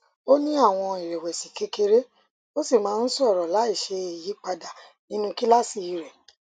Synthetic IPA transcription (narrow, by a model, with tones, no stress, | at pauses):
o˦nĩ˦a˦˨w̃ɔ̃˧i˨ɾe˨wɛ˨si˨ke˨˦ke˧ɾe˦ | o˦si˦˨mãː˨˦˧n̩˦sɔ˦˨ɾɔ˨la˨˦i˦˨ʃe˧i˨ji˨˦k͡pa˧da˨ | nĩ˦nũ˦ki˦la˦si˦˨i˨ɾɛ˨